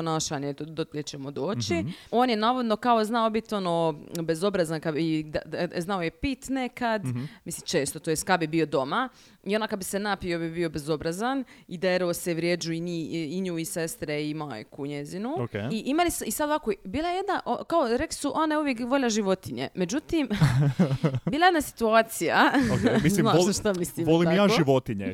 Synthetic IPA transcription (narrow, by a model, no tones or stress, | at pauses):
ponaːʃanjet̪od̪ot̪lʲet͡ʃemod̪o̞ːt͡ʃio̞ːnjenaːʋo̞d̪no̞kaoznaobit̪o̞nobezo̞bɾazankabid̪aznaojepit̪nekad̪misimt͡ʃeːst̪ot̪ojest̪kabibio̞d̪o̞ma | io̞nakad̪bisenapiobibio̞be̞zo̞bɾazanid̪eɾooseʋɾjed͡ʒuiɲiiɲuːisest̪ɾeimojkuɲezinuokeiʔimalisisad̪oʋakobiːlˠajejed̪naʔokaoɾekli̥suʔonauʋjekʋo̞ʎaʒiʋo̞t̪iɲḛme̞d͡ʑut̪im | biːlˠajed̪nasi̥t̪uaːt̪sijaokmisinaʃt̪amislimoliamjaːʒiʋot̪iɲḛ